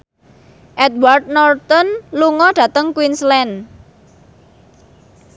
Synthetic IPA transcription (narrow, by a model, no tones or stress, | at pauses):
ʔɛd̪̚ward̪̚nɔrt̪ɔnluŋɔɖ̥ä̤t̪əŋkwinslɛn